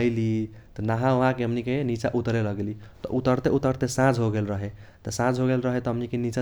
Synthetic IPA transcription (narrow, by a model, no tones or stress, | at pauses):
əɪlit̪ɔnaɦãoɦãkeɦəmnikenit͡ʃaʔut̪ɾeləɡelit̪ʌ̰ʔut̪əɾt̪eut̪əɾt̪esãd͡ʒɦoɡelɾəɦet̪ɔsãd͡ʒɦoɡelɾəɦet̪ɔɦəmnikenit͡ʃa